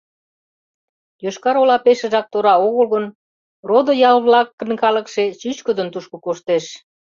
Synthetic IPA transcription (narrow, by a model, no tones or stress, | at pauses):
jøʃkɑɾolɑpeʃə̆ʒɑk̚t̪oɾɑoɣəlɣən | rod̪ŏjɑlβlɑkːə̆nkɑlə̆kʃet͡ɕyt͡ɕkəd̪ənt̪uʃkŏkoʃt̪eʃ